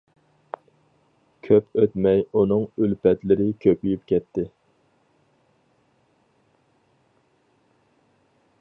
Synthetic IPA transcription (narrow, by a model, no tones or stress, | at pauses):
kʲʰøpøt̪mɛjunɨŋylpɛt̪lɪɾɪkʲʰøpyjypkʲʰɛt̪ʰːɪ